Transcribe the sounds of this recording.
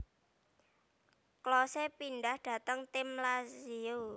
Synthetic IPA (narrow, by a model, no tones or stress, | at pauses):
klɔsepinɖahd̥ä̤t̪əŋt̪ɪmlasio